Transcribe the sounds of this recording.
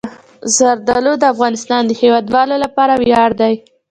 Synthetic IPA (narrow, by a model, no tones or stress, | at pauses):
zaɾd̪alod̪əafɣɑnɪst̪ɑnd̪əhewɑd̪wɑlolapɑɾawjɑɽd̪aj